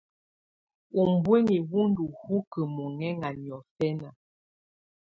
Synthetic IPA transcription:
u˨m˨bwe˦ŋi˨wu˦ndu˨hu˦kə˨mɔ˨ŋɛ˦ŋa˨n˨ɔ˨fɛ˦na˨

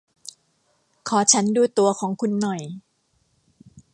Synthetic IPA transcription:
kʰɔː˩˦t͡ɕʰa˦˥nduː˧˩t̪u˧ɐkʰɔː˩˦ŋkʰu˧nːɔ˨˩j

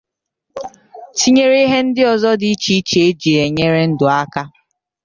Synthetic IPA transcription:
ti˦ɲe˦ɾe˦ɦe˦n̩˦dɪ˦ɔ˨zɔ˦dɪ˨i˦t͡ʃi˦i˦t͡ʃe˦d͡ʒi˨e˨ɲe˦ɾe˦n̩˦dʊ˨a˦ka˦

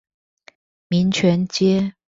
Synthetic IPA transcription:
mi˨˧˥nt͡ɕʰɥɛ˧˥nt͡ɕjɛ˦˥

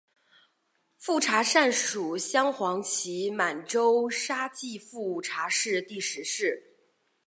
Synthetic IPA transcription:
fu˥˩ʈ͡ʂʰa˧˥ʂa˥˩nʂu˨˩ɕjɑ˥ŋxwɑ˧˥ŋt͡ɕʰi˧˥ma˨˩nʈ͡ʂo˥ʊʂa˥t͡ɕi˥˧fu˥˩ʈ͡ʂʰa˧˥ʂɻ̩˥˧t̪i˥˩ʂɻ̩˧˥ʂɻ̩˥˩

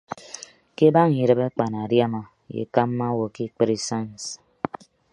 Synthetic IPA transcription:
ke˦ba˦ŋ˨i˨ɾɨ˨be˦k͡pa˨na˨ɾja˦ma˨ | jḛ˨ka˦mːa˦wo˨ki˦k͡pe˦ɾi˨sa˦˨ns

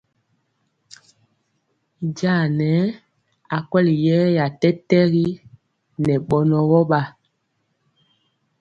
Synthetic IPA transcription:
ɟa˦˨nɛ˨˦ | a˨kwɛ˦li˨jɛː˦ja˨tɛ˦tɛ˦ɣi˦ | nɛ˨ɓɔ˨nɔ˨ɣɔ˦ɓa˨

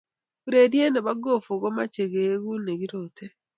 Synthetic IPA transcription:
u˦ɾe˨dje˦ne˨βa˦ɡo˦˨fu˨ɣo˦ma˦t͡ʃe˨ɣe˨˦ɣu˦ne˨ɡi˦ɾotʰe˦

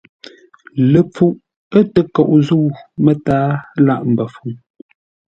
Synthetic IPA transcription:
lə˨p͡fu˦˨ʔ | ə˦tə˨kɔ˨ʔzu˦˨mə˦taː˦la˦˨ʔm̩˨bə˨fu˨ŋ

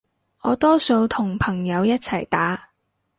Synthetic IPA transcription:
ʔɔː˨˧t̪ɔː˥so˧wt̪ʰʊ˨˩ŋpʰɐ˨˩ŋjɐ˨˧wjɐ˥t̚t͡sʰɐ˨˩jt̪aː˨˥

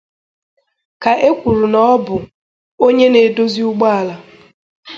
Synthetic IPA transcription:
ka˨ʔe˦kʷu˨ɾu˨nɔ˦bʊ˨ | o˦ɲe˦ne˨do˦zi˦ʊ˦ɡ͡ba˦a˨la˨

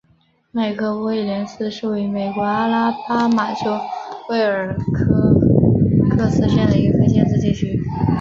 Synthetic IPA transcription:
me˨˩ɪkʰɤ˧˥pɔ˧˥i˨˩ljɛ˧˥nsɹ̩˥ʂu˥˩wei˧˥ɪme˨˩ɪkwɔ˧˥a˥la˥pa˥ma˨˩t͡ɕjo˥ʊwe˥˩ɪ˨ə˞˨˩˥ | kʰɤ˥sɹ̩˥˧ɕjɛ˥nd̪ə˩i˧˥ɡə˧kʰɤ˥t͡ɕjɛ˥˧nt͡sɹ̩˥˧t͡ɕi˥˩t͡ɕʰy˥

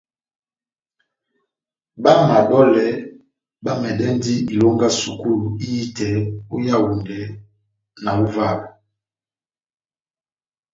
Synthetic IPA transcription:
ba˦ma˨dɔ˦lɛ˨˦ | ba˦mɛ˨dɛ˦n˦di˦i˨lo˦ŋɡa˦su˨ku˦lu˨i˦ji˦tɛ˨o˦ja˦wu˨ndɛ˨˦ | na˨u˦va˦˨lu˨

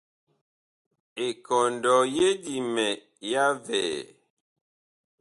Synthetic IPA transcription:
e˨kɔ˨ndɔ˨je˦di˨mɛ˨ | ja˦vɛ̰ː˨

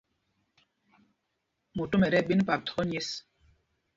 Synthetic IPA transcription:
mo˨to˦mɛ˨ɾɛ˦˨ɓi˦n˦pa˨tʰɔ˦ɲ˦e˦s

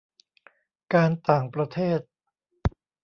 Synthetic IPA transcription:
kaː˧nt̪aː˨˩ŋpɾa˧t̪ʰeː˥˩t̪̚

